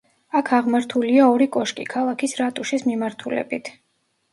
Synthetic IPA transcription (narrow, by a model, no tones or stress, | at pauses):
akʰaʁmaɾt̪ʰuliaɔɾikʼɔʃkʼḭkʰalˠakʰisɾat̪ʼuʃismimaɾt̪ʰulɛ̰bit̪ʰ